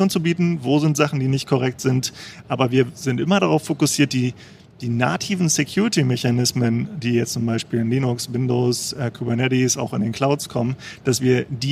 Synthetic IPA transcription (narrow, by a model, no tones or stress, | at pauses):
oːnt͡subiːtn̩voːzɪntz̥aχn̩diːnɪçt̚kʰɔʁɛk̚tz̥ɪntʔaːbɐviːɐzɪntʔɪmɐɾaʁaʊffokʊsiːɐt̚d̥iː | d̥iːnatʰiːvn̩sekʰj̥uːʁɪtimɛçanɪsməndiːjɛt͡stt͡sʊmbaɪʃpiːlɪnliːnʊksvɪndoːsʔɛːkʰuːbɛɐnɛdisa̰ʊxɪndeːnkʰl̥aʊtskʰɔmənd̥asv̥iːɐdiː